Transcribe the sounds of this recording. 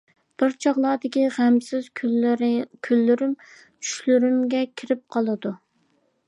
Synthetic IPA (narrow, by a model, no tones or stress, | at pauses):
b̥ɪɾt͡ʃʰɑʁlˠɑːd̪ɪkʲiʁæmsɪz̥ʰ | kʲʰylːyɾym | t͡ʃʰy̥ʃlyɾymɡʲɛkʲʰɪɾɪp̚qʰɑlˠɨd̪u